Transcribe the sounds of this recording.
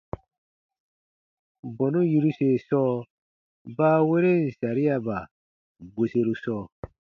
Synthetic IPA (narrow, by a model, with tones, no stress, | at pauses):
bɔ̃˨nu˦ji˧ɾu˦se˨sɔː˦ | baː˦we˦ɾe˦n̩˨sa˨ɾi˦a˨ba˨ | bo˨se˦ɾu˦sɔː˦˨